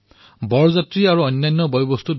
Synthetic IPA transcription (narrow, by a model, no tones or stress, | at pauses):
bɔɹɔzatɹiaɹuɔjnːajnːɔbɔjɔbɔstut